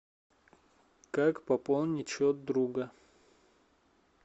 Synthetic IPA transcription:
kakpɐpolˠnʲɪt͡ɕot̪̚d̪ɾuɡə

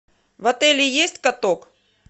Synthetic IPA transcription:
vɐt̪ɛlʲɪjesʲtʲkɐt̪ok

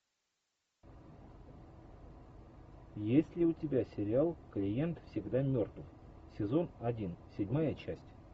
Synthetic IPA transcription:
jesʲtʲlʲɪʊtʲɪbʲasʲɪɾʲɪalˠklʲɪje̞nt̪fsʲɪɡd̪amʲo̞rt̪vəf | sʲɪzo̞nɐdʲinsʲɪdʲmajət͡ɕæsʲtʲ

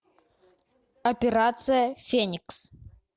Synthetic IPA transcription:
ɐpʲɪɾat̪sɨjəfʲenʲɪks

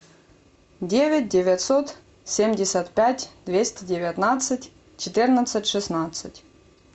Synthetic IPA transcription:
dʲevʲɪt̚ʲdʲɪvʲat̪sot̪ | sʲemʲdʲɪsʲət̪pʲætʲd̪vʲesʲtʲɪdʲɪvʲat̪nat̪sɨtʲ | t͡ɕɪt̪ɨrnət̪sɨtʲʂɨsnat̪sɨtʲ

